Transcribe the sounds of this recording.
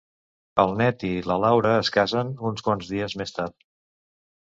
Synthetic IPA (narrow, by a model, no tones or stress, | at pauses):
əlˠnɛt̪iləlawɾəːskazənunskwanzðiəzmest̪aɾt̪